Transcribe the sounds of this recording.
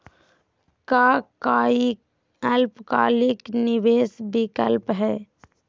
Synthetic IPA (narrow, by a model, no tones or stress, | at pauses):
kaːkaːi | əlpka̰ːlɪknɪʋeːsbɪkəlpɦɛː